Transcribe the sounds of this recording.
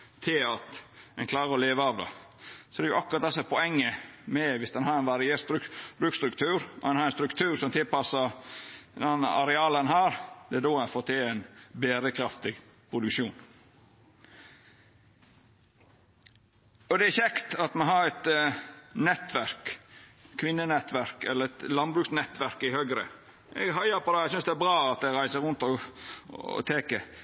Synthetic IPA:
t̪ʰɪlɑt̪ɛ̰nkʰlɑːɾəɾɔleːʋəɑʋd̪ɑ̰ | sɔd̪ɛjʊʔɑkʊɾɑt̪̚d̪ɛsɔmɛpʰɔɛŋːəmɛʋɪsd̪ɛnhɑɾɛɪnʋɑɾɪest̪ɾʉbɾʉkst̪ɾʉkt̪ʰʉːɾɔɛnhɑɾɛnst̪ɾʉkt̪ʰʉːɾsɔmt̪ʰɪlpɑsːəɾd̪ɛn̰ːɑɾɛɑːlənɦɑːɾd̪ɛæd̪oːɛnfoːt̪ʰɪæɪnbeːɾəkʰɾɑft̪ɪɡ | pʰɾʊd̪ʉkʃuːn | ɔd̪ɛæɾçɛkt̪ɑt̪mɛɦɑɾɛt̪ | nɛt̪ʋæɾk | kʰʋɪnːənɛt̪ʋæɾkɛ̰lːəɾɛt̪lɑnbɾʉːksnɛt̪ʋæɾkɪhøːɡɾə̰ | ʔɛ̰ɡɦɑɪjəɾpɔd̪ɛæɪɡsʏnsd̪ɛæɾbɾɑːɑt̪̚d̪ɛɾæɪsəɾʉnt̪ɔ̰ | t̪ʰeːkə

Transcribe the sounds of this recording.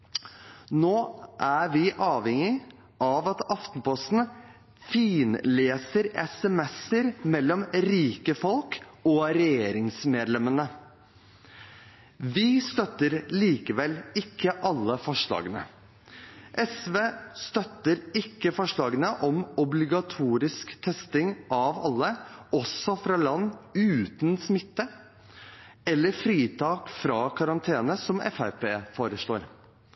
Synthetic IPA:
noːʔæʋɪʔɑːʋhɛŋɪ | ʔɑːʋɑt̪ɑft̪n̩pɔst̪n̩ | fiːnleːsəɾɛsɛmɛsəɾmɛlːɔmɾiːkəfɔlkɔɾɛjeːɾɪŋsmeːd̪lɛmənə | ʋɪst̪œt̪ːəɾliːkəʋɛlɪkʰːəʔɑlːəfɔʂɭɑ̰ːɡənə̰ | ʔɛsʋeːst̪œt̪ːəɾɪkːəfɔʂɭɑːɡənəʔɔmɔblɪɡɑt̪ʰuːɾɪskt̪ʰɛst̪ɪŋɑʋɑ̰lːəɔsːɔfɾɑːlɑnːʉːt̪nsmɪt̪ːə | ɛlːəɾfɾiːt̪ʰɑːkfɾɑːkʰɑɾɑnt̪ʰeːnəsɔmɛ̰fæpʰeːfoːɾəʂɭoːɾ

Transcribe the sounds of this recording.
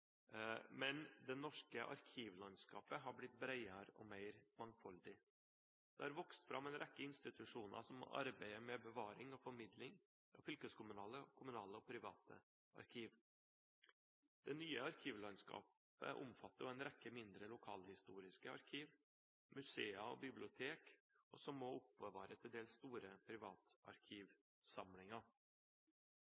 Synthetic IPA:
mɛnd̪ɛnɔʂkəʔɑ̰ɾkʰiːʋlɑnskɑ̰ːpəɦɑɾblɪt̪̚bɾæɪɑɾɔ̰mæɪɾmɑŋfɔld̪ɪ | d̪̥ɛ̰hɑɾʋɔkst̪fɾʔɑ̰mɛɪnɾʔɛkːəɪnst̪ɪt̪ʉʂuːnɑ̰ʂɔmɑ̰ɾbæɪəmɛbəʋɑːɾɪŋɔfɔɾmɪd̪lɪŋ | ɑ̰fʏlkəskʰʊmʉnɑːləkʰʊmʉnɑːləɔpʰɾɪʋɑ̰ːt̪ʰə̰ | ɑ̰ɾkʰiːʋ | d̪̥ɛnyːəɑɾkʰiːʋlɑnskɑ̰ːp | ə̰ʔʊ̰mfɑt̪ːəɛɪnɾɛkːəmɪnd̪ɾəlʊkʰɑːlhɪst̪uːɾɪskəɑ̰ɾkʰiːʋ | mʉseːəɔ̰bɪblɪʊt̪ʰeːk | ɔ̰sɔmːɔʊpəʋɑːɾət̪ʰɪld̪eːlst̪uːɾəpʰɾɪʋɑːt̪ɑ̰ɾkʰiːʋ | sɑmlɪŋɑ

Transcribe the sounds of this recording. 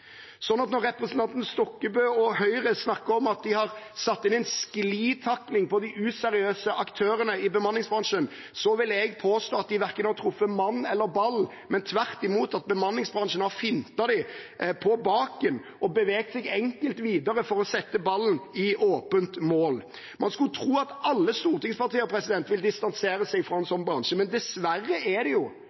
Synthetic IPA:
sɔnːɑt̪nɔɾːɛpɾəsn̩t̪ʰɑnt̪n̩st̪ɔkːəbøːɔhœʏɾəsnɑkːəɾɔmɑt̪̚d̪ɪhɑɾsɑt̪ːɪnɛɪnskliːt̪ʰɑkːnɪŋpɔd̪ɪʔʉsɛɾɪøːsəʔɑkt̪ʰøːɾənəɪbəmɑnlɪŋsbɾɑnʂən | sɔʋɪlɛɡpʰoːst̪oːɑt̪̚d̪ɪʋæɾkənɑɾt̪ʰɾʊfːəmɑnːɛlːəɾbɑlː | mɛnt̪ʰʋæʁt̪ɪmuːt̪ɑt̪̚bəmɑnlɪŋsbɾʁɑnʂənɑfɪnt̪ɑd̪ɪpʰɔbɑːkən | ʔɔbəʋeːɡt̪sɛɡɛŋkəlt̪ʋiːd̪ɑɾəfɔɾɔsɛt̪ːəbɑlnɪʔoːpənt̪moːl | mʔɑnskʉlt̪ʰɾuːɑt̪ɑlːəst̪uːʁt̪ɪŋspɑʁt̪ʰiːəɔpʰɾɛsɪd̪ɛnt̪ʋɪld̪ɪst̪ɑnseːɾəsɛɪɡfɾɔɛnsɔnbɾɑnʂəmɛnd̪ɛsʋærːəʔɛd̪ɛjʊ

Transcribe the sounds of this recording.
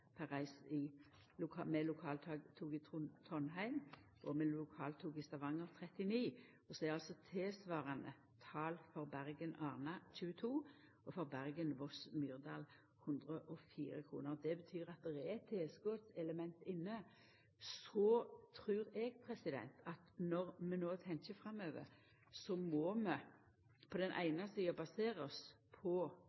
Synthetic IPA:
pʰæʁæɪsɪ | lʊkʰɑmɛlʊkʰɑːlt̪ʰɑɡt̪ʰuːɡɪt̪ʰt̪ʰɔnɦæɪm | ʔɔmɛlʊkʰɑːlt̪ʰuːɡɪst̪ɑʋɑŋːəʁt̪ʰʁɛt̪ɪniː | ɔsɔæʁɑlsɔt̪ʰeːsʋɑːʁɑnə̰ | t̪ʰɑːlfɔʁbæʁɡənɑːʁnɑc͡çʉːət̪ʰuː | ɔfɔʁbæʁɡənʋɔsmyːʁd̪ɑːl | hʉnd̪ʁəʔɔfḭːɾəkʰʁṵːnəʁd̪ɛbət̪ʰyːɾɑt̪̚d̪ɛʁɛɛt̪ʰːeːsɡoːt̪sɛləmɛnt̪ɪnːə | sɔt̪ʰʁʉːɾɛɡpʰʁɛsɪd̪ɛ̰nt̪ʰɑt̪nɔʁmɛnoːt̪ʰɛŋkəfʁɑmøːʋə̰ʁ | sɔmɔmɛ | pʰɔd̪ɛnʔæ̰ɪnɑsiːɑbɑseːʁəspʰɔ

